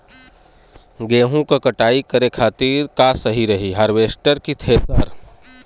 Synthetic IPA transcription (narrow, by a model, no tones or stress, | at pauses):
ɡeːɦũkakɐʈaːikɐɾekʰaːt̪iːɾkasɐɦiɾɐɦiɦəɾʋeːsʈəɾkit̪ʰeːt̪əɾ